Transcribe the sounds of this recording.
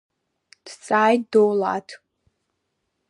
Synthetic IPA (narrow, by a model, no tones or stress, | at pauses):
d̥t͡sʼaːjtdola̰tʰ